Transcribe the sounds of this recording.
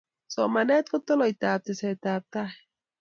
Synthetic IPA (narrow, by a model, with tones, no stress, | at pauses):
so˨manɛ˦t̪ko˦t̪ːo˦lo˨it̪aː˨p̚t̪eset̪aː˨p̚t̪ah